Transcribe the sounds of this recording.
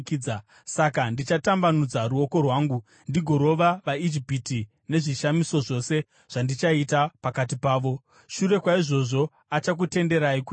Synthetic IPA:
kiːd͡za | sakandit͡ʃatambanud͡zaɾuoko̞rwaːŋɡu | ndiɡʱo̞ɾo̞ʋaʋaid͡ʒipiti | ne̞ʐiʃamiso̞ʐo̞se̞ | ʐ̥andit͡ʃaitapakat̬ipaːʋo̞ | ʃuɾe̞kwaiʐo̞ʐo̞ | at͡ʃak̬ute̞nde̞ɾaik

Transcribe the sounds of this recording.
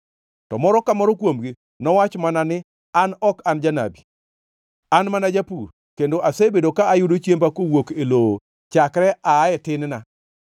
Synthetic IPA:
tɔ̰mɔɾɔkamɔɾɔkwomɡi | nɔwat͡ʃmananɪ | anɔkand͡ʒana̰bi | anmanad͡ʒapur | kendoʔasebedokaːjʊdot͡ʃjempakowokelo | t͡ʃakɾɛaːɛtɪnna

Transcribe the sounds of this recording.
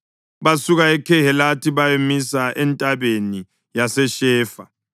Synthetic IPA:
βasuɣaɛkʰɛhɛlatʰiβajemisaʔɛntʼaβeni | jasɛʃɛːfa

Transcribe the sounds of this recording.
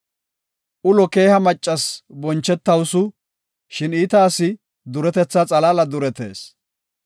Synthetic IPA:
ʔʊlɔke̞ːhɐmɐt͡ʃʼːɐsbɔnt͡ʃːɛt̪ːɐwsʊ | ʃɪniːt̪aːsɪ | d̪ʊɾɛt̪ɛt͡sːɐt͡sʼɐlaːlɐd̪ʊɾɛt̪ḛːs

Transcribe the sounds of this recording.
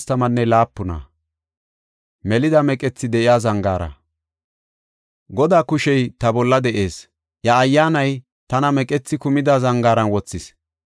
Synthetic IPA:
st̪ɐmɐnːɛlaːpːʊna̰ | mɛlɪd̪ɐmɛkʼɛt͡sːɪd̪ɛʔɪjaːzɐŋɡaːɾɐ̰ | ɡɔd̪aːkʊʃɛjt̪ɐbɔlːɐd̪ɛʔe̞ːs | jɐːjːaːnɐj | t̪ɐnɐmɛkʼɛt͡sːɪkʊmɪd̪azɐŋɡaːɾɐnwɔt͡sːɪs

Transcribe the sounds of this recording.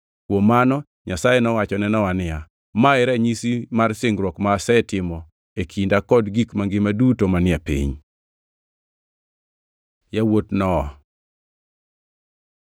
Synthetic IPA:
kwomːanɔ | ɲasajɛnɔwat͡ʃɔnɛnɔwanɪja | maɛɾɛɲisimarsɪŋɡɾwɔkmaːsɛtɪmɔ | ekʰindakɔdɡikmaŋɡɪmadutomanɪapḭɲ | jawotnɔː

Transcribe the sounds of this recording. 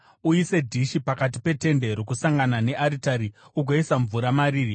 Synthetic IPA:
uise̞dʱiʃipakat̬i̥pe̞te̞nde̞ɾokusaŋɡanane̞ʔaɾitaɾiuɡʱoisaɱvuɾamaɾiːri

